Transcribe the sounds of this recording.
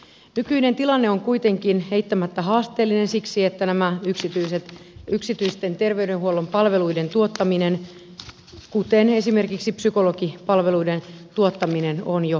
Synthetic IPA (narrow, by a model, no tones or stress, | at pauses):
nykynent̪ilɑnːeoŋkuit̪e̞ŋkinheit̪ːæmæt̪ːæɦɑːst̪eːlːinensiksiet̪ːænæmæyksit̪yiset̪yksit̪yist̪ent̪erʋe̞ydenhuolːompɑlʋe̞luident̪uot̪ːɑminen | kut̪enesime̞rkiksipsyko̞lokipɑlʋe̞luident̪uot̪ːɑminenonjo